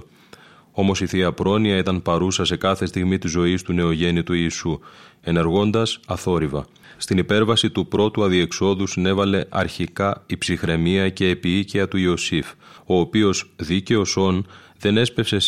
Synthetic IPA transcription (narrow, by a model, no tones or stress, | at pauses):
o̞mo̞siθiɐpɾo̞niɐit̪ɐnpɐɾusɐse̞kɐθe̞st̪iɣmit̪izo̞ist̪une̞o̞ʝe̞nit̪uiːsue̞ne̞ɾɣo̞nd̪ɐsɐθo̞ɾivɐ | st̪inipe̞ɾvɐsit̪upɾo̞t̪uɐðie̞kso̞ðusine̞vɐle̞ʔɐɾçikɐipsixɾe̞miɐce̞ːpiiceɐt̪uio̞sif | o̞ːpio̞zðice̞o̞so̞nðe̞ne̞spe̞fse̞